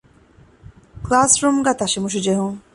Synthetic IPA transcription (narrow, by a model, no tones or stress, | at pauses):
klaːsɾumɡat̪aʃimuʃ̬id͡ʒeɦũŋ